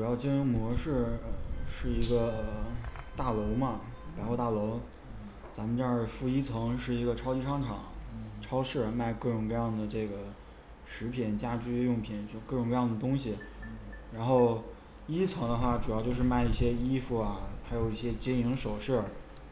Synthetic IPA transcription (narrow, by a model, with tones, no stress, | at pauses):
ʈ͡ʂu˨˩jɑ˥˩˧ʊt͡ɕi˥nu˥ŋmwɔ˧˥ʂɻ̩˥˩ə˧˩ʂɻ̩˥˩i˧˥ɡə˧t̪a˥˩lo˧˥ʊmɐ˧pa˨˩ɪxwo˥˧t̪a˥˩lo˧˥ʊ | t͡sa˧˥mə˧ʈ͡ʂɤ˥˧ə˞˥˩fu˥˩i˥t͡sʰɤ˧˥ŋʂɻ̩˥˩i˧˥ɡə˧ʈ͡ʂʰɑ˥ʊt͡ɕi˥ʂɑ˥ŋʈ͡ʂʰɑ̰˨˩˦ŋʈ͡ʂʰɑ˥ʊʂɻ̩˥˩ma˥˧ɪkɤ˥˩ʈ͡ʂʊ˨˩ŋkɤ˥˧jɑ˥˩ŋd̪ə˩ʈ͡ʂɤ˥˩ɡə˩ | ʂɻ̩˧˥pʰi˨˩˦nt͡ɕja˥t͡ɕy˥jʊ˥˩ŋpʰi˨˩n˥˧kɤ˥˩ʈ͡ʂʊ˨˩ŋkjɑ˥˩d̪ə˩t̪ʊ˥ŋɕi˨˩ɻa˧˥nxo˥˩ʊ | i˥t͡sʰɤ˧˥ŋd̪ə˧xwa˥˩ʈ͡ʂu˨˩jʊt͡ɕjo˥˧ʊʂɻ̩˥˧ma˥˧ɪi˥˩ɕjɛ˥i˥fu˥˩ɐ˩xʰa˧˥ɪjo˨˩ʊi˥˩ɕjɛ˥t͡ɕɛ˥i˧˥ŋʂo˨˩ʊʂɤ˥˩